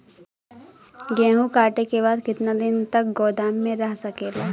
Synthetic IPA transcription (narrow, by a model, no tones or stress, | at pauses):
ɡɛ̃ːɦũkaːʈekeβaːd̪kɪt̪nad̪ɪnt̪ɐk̚ɡɔːd̪aːmːẽɾɐɦsɐkeːlaː